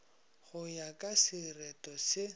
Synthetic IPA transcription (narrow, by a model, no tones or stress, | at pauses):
χʊjakʼasɪrɛtʼɔsɪ